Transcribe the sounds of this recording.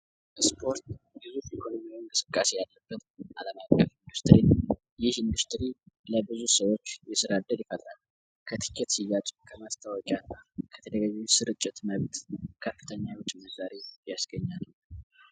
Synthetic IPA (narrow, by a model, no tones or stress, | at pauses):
spʰo̞ɾt̪bɨzuhɛkʰo̞no̞miwɪŋkʼɨsɨkʼːasejalːəbːət̪ʔa̰ləmakʼːəfind̪ɨɾt̪ɾin | jɪhɪnd̪ɨɾt̪ɾi | ləbɨzusəwo̞t͡ʃːjɛsɨɾad̪əd̪jɪfəlːal | kʰət̪ʰɨ̥kʰːɛt̪sijːat͡ʃʼukʰəmast̪ʰawɔkʼjalːkʰə̥t̪ʰəd̪əɡaɡausɨɾɨt͡ʃʼːɪt̪məβt̪kʰəfːɨt̪ʰəɲːawʊt͡ʃʼiməzaɾejasɡəɲːal